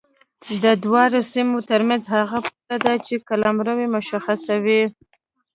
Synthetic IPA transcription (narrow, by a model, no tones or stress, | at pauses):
d̪əd̪wɑɾosimot̪əɾmanzhaɣapalad̪at͡ʃekalamɾəwemʊʃaxasawi